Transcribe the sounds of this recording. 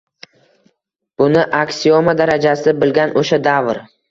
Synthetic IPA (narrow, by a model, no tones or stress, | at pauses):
b̥ʊnɪʔakʲsiomad̪aɾad͡ʒasɪbɪlɡʲanʔoʃad̪avɾ